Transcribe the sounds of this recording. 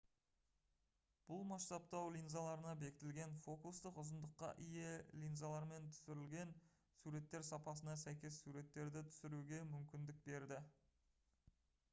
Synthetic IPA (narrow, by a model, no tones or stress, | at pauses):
b̥ʊlˠmɑst̪ɑp̚t̪ɑwlʲijnzalˠɑɾənɑbe̞kʲɪ̥t̪ɪlɡʲe̞nfo̞kust̪əqʊzənd̪əqːɑ̰ʔijelʲijnzalˠɑɾme̞nt̪ʰʏ̥sɪɾɪlɡʲe̞n | suɾe̞t̪ːe̞ɾsɑpɑsənɑsæjkʲe̞sːuɾe̞t̪ːe̞ɾd̪ɪt̪ʰʏ̥sɪɾuɡʲe̞mʏmkʲɪnd̪ɪk̚be̞ɾd̪ɪ